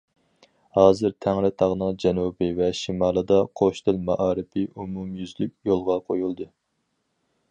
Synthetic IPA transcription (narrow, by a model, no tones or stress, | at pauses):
hɑːzɨɾt̪ʰæŋɾɪt̪ʰɑʁnɨŋd͡ʒɛnubɪvɛʃimɑːlˠɨd̪ɑqʰoʃt̪ɪlmɑʔɑːɾɨpʰɪʔumumjyzlyk̚ʲjolˠʁɑqʰojulˠd̪ɨ